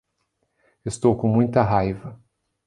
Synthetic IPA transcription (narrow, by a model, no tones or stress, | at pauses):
est̪owkõmũj̃t̪ɐɦajvɐ